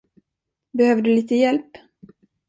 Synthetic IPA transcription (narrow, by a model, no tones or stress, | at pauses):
bɛhøːvəɖɵliːt̪əjɛlp